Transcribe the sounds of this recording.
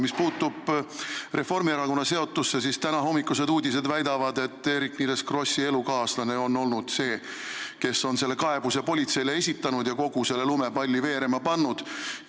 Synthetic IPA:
mispuːt̪ːub̥re̞fo̞rmieɾɑko̞nːɑse̞o̞t̪ːˑusːesist̪ænɑɦo̞mːikːˑuse̞d̪uːd̪ʲise̞d̪væjd̪ɑvɑd̪e̞t̪ːe̞ɾiknid̪eskro̞sʲːie̞lukɑːslɑne̞o̞nːo̞lnud̪̥se̞ː | ke̞so̞nselːe̞kɑe̞b̥usepo̞lʲit̪se̞jlee̞sʲit̪ːˑɑnud̪jɑko̞ɡ̥use̞lːe̞lume̞pɑlʲːive̞ːɾe̞mɑpɑnːud̪̥

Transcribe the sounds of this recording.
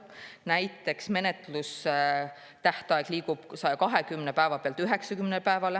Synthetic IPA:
næjt̪ːˑe̞ksme̞net̪lus | t̪æht̪ɑeɡ̥liːɡub̥sɑjkɑɦe̞kymnepæevɑpeɑlt̪yɦe̞ksɑkymnelpæevɑle

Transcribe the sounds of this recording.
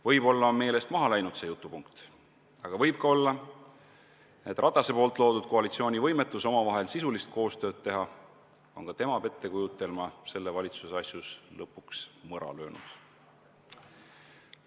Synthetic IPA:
vɤjbo̞lːɑme̞ːle̞st̪mɑɦɑlæjnud̪̥se̞jut̪ːˑupuŋkt̪ | ɑɡ̥ɑvɤjb̥̚kɑo̞lːɑ | e̞t̪ːˑrʔɑt̪ːˑɑse̞po̞ːlt̪ˑlo̞ːd̪ud̪̥̚ko̞ɑlit̪sioːnʲivɤjme̞t̪ːˑuso̞mɑvɑɦe̞lsisulist̪̚kʰo̞ːst̪ø̞ːd̪̥̚t̪ːe̞ɦɑ | o̞nkɑt̪e̞mɑpe̞t̪ːˑe̞kujut̪ːˑe̞lmɑse̞lːevɑlʲit̪suseɑsjuslɤpːˑuksmɤɾɑ̰lø̞ːnṵd̪̥

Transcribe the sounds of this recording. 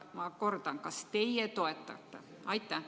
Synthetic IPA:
mɑko̞rd̪ɑnkɑst̪e̞jjet̪o̞e̞t̪ːˑɑ̰t̪ːe | ɑjt̪ːˑæ

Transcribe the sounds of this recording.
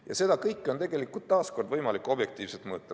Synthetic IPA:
jɑ̰se̞d̪̥ɑkɤjkːˑo̞nt̪e̞ɡe̞likːˑult̪t̪ːɑːsko̞rd̪vɤjmɑlikːˑo̞b̥je̞k̚t̪iːv̥set̪mɤːt̪ːˑɑ

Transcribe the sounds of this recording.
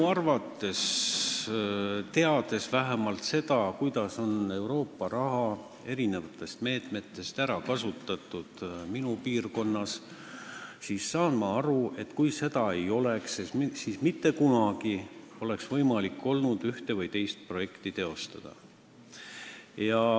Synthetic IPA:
ɑrvɑt̪ːˑe̞s | t̪e̞ɑd̪̥e̞svæɦemɑlt̪se̞d̪̥ɑkujd̪̥ɑso̞ne̞wɾo̞ːpːɑɾɑɦɑ | e̞ɾine̞vɑt̪ːˑe̞st̪me̞ːt̪me̞t̪ːˑe̞st̪æɾɑkɑsut̪ːˑɑt̪ːˑud̪̥minupiːrko̞nːɑs | sissɑːnmɑɑɾue̞t̪ːkujse̞d̪̥ɑe̞jo̞leksesiːsmit̪ːe̞kunɑɡ̥i | o̞le̞ksvɤjmɑlikːˑo̞lnud̪̥yht̪evɤjt̪e̞jst̪̚pro̞je̞kt̪it̪e̞o̞st̪ɑd̪̥ɑ̰ | jɑ

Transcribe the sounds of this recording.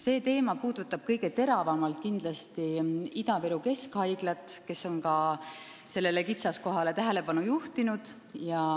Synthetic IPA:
se̞ːt̪e̞ːmɑpuːd̪̥ut̪ːˑɑb̥̚kɤjɡe̞t̪e̞ɾɑvɑmɑlt̪̚kind̪lɑst̪iid̪ɑveɾuke̞skhɑjɡ̥lɑt̪ːˑke̞so̞nkɑ | se̞lːe̞le̞kit̪sɑsko̞ɦɑle̞t̪æɦele̞pɑnujuht̪inud̪̥ | jɑ

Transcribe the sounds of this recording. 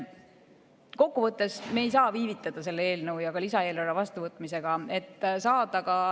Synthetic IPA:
ko̞kːuvɤt̪ːˑe̞smeːjsɑːviːvit̪ˑːɑd̪̥ɑse̞lːee̞ːlnɤwjɑɡ̥ɑlisɑe̞ːloɾɑvɑst̪uvɤt̪ːˑmise̞ɡ̥ɑe̞t̪ːsɑːd̪̥ɑɡɑ

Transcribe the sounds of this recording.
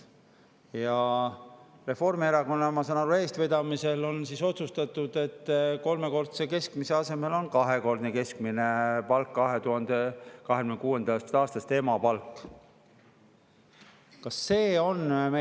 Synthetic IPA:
jɑ | re̞fo̞rmieɾɑko̞nːɑmɑsɑnɑɾue̞ːst̪ved̪̥ɑmise̞lo̞nsiso̞t̪sust̪ɑt̪ːˑud̪̥e̞t̪ːko̞lme̞ko̞rt̪seke̞skmise̞ɑse̞me̞lo̞nkɑɦe̞ko̞rd̪neke̞skmine̞pɑlkːɑɦe̞t̪uɦɑnd̪̥ekɑɦekymnekuːe̞nd̪ɑst̪ɑːst̪ɑst̪e̞mɑpɑlkːˑ | kɑsːe̞ːo̞nme

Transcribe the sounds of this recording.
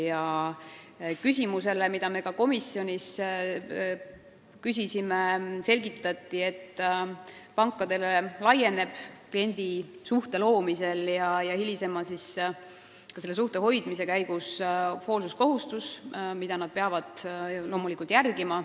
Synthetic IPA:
jɑ | kysʲimuse̞le̞mid̪̥ɑme̞kɑko̞misːjo̞nʲis | kys̬isimese̞lʲɡit̪ːˑɑt̪ːie̞t̪ːˑ | pɑŋkːˑɑd̪e̞lelɑje̞ne̞b̥klie̞nʲd̪̥i | suht̪e̞lo̞ːmise̞ljɑjɑhilise̞mɑsis | kɑse̞lːe̞s̬uht̪e̞ɦo̞jd̪̥mise̞kæjɡ̥usho̞ːlsusko̞ɦust̪usmid̪̥ɑnɑd̪̥̚peɑvɑd̪̥lo̞ːmulikːˑult̪ˑjærɡimɑ

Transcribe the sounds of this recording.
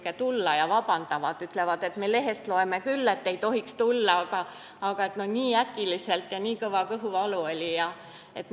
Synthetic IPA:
ket̪ulːɑjɑvɑbɑnd̪̥ɑvɑd̪yt̪ːle̞vɑd̪̥e̞t̪me̞le̞ɦe̞st̪lo̞e̞mekylːet̪ːe̞jt̪o̞ɦikst̪ulːɑɑɡ̥ɑː | ɡ̥ɑe̞t̪noniːækːˑilise̞lt̪ˑjɑniːkɤvɑkɤɦuɑluo̞lʲijɑ | e̞t̪

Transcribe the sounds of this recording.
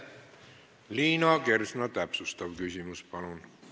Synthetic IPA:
liːnɑke̞rsnɑt̪æpsust̪ɑʋkysʲimuspɑlun

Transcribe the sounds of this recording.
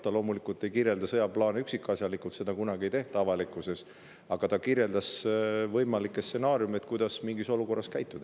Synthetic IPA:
t̪ɑlo̞ːmulikˑult̪ːˑe̞jkirje̞ld̪ɑsɤjɑplɑːneyksikːˑɑsʲjɑlikːˑut̪se̞d̪̥ɑkunɑɡ̥ie̞jt̪e̞ht̪ɑɑvɑlikːˑuse̞s | ɑɡ̥ɑt̪ɑkirje̞ld̪ɑsvɤjmɑlikːˑestːse̞nɑːɾjumet̪̚kujd̪̥ɑsmiŋɡiso̞luko̞rːɑskæjt̪ːˑud̪̥ɑ

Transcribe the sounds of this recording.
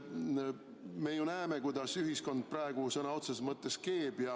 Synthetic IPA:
me̞junæemekujd̪̥ɑsyɦisko̞nd̪̥̚prɑeɡ̥usɤnɑo̞t̪sesmɤt̪ːˑe̞ske̞ːb̥jɑ

